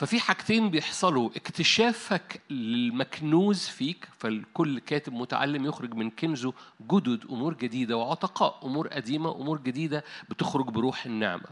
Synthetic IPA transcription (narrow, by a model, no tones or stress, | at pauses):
fæfiːħaɡt̪eːnbejeħsˤɑluʔekt̪eʃæːfæklelmæknuːzfiːkfælkolːkæːt̪ɪbmʊt̪a̰ʕa̰lːemjoxɾɪɡmɪnkemzoɡʊd̪od̪ʔʊmuːɾɡæd̪iːd̪æweʕot̪ɑqɑ̰ːʔʔomuːɾʔæ̰d̪iːmæʔomuːɾɡæd̪iːd̪æbet̪oxɾoɡbeɾuːħenːḛʕmæ̰